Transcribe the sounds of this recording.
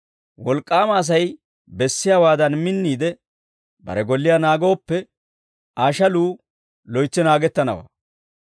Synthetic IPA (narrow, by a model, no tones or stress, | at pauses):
wɔlkʼːaːmɐːs̬ɐj | bɛsːɪjaːwaːd̪ɐnmɪnːiːd̪ɛ | bɐ̰ɾɛɡɔlːɪjaːnaːɡo̞ːpːɛ | aːʃɐluː | lɔjt͡ʃːɛnaːɡɛt̪ːɐnɐ̰wa̰ː